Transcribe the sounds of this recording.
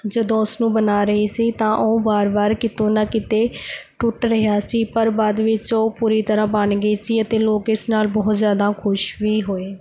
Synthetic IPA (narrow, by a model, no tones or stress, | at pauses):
d͡ʒəd̪õːʊsnũːbənaːɾəɦiːsiːt̪ãːʔoːbaːɾbaːɾkɪt̪õːnakɪt̪eːʈʊʈɾəɦjaːsiːpəɾbaːd̪ʋɪt͡ʃoːpuːɾiːt̪əɾãːbənɡəiːsiːət̪eːloːkɪsnaːlbɔːt̪zjaːd̪aːkʰʊʃʋiːɦoːeː